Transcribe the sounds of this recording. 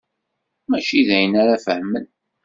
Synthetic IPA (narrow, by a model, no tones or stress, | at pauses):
mæʃiðæjənaɾafəhmən